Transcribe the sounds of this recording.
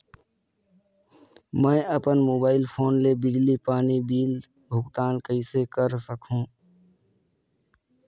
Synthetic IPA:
mə̃əpənmoːbaːɪlpʰoːnlebɪd͡ʒlipaːnibiːl | bʱʊɡt̪aːnkəɪsekəɾsəkʰũː

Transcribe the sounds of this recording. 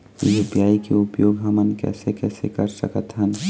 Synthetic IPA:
jebjaːikeʊpjoːɡɦɐmənkɛ̰ːsekɛːsekəɾsə̰kət̪ɦən

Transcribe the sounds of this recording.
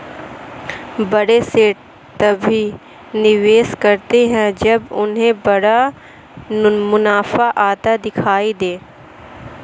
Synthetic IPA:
bɐɽeseːʈ̚ | t̪ɐbʱi | nɪʋeːskɐɾt̪eɦɛ̃d͡ʒɐbʊ̰nɦẽbɐɽa | mʊnaːfaʔaːt̪ad̪ɪkʰaːid̪eː

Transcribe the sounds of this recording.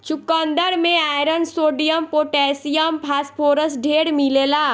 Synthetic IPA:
t͡ʃʊkə̃nd̪əɾmẽaːjɾənsoːɖijəmpoːʈɛːsijəmpʰaːspʰoːɾəsɖʱeːɽmileːlaː

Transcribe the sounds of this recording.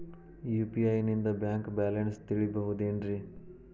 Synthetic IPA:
juːpiaːinĩnd̪abɛ̃ːŋkbɛːlənst̪ɪɭibəɦud̪eːɳɖɾiː

